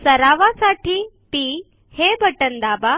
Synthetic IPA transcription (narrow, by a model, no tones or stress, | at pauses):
sɐɾaːʋasaːʈʰi | piː | hebʱəʈənd̪aːba